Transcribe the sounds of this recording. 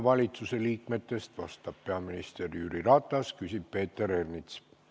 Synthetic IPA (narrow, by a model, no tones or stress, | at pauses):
vɑlʲit̪suse̞liːkme̞t̪ːˑe̞st̪vɑst̪ɑb̥̚pe̞ɑminist̪e̞rjyɾirɑt̪ˑːɑskysʲib̥̚pe̞ːt̪ːˑe̞ɾernit̪s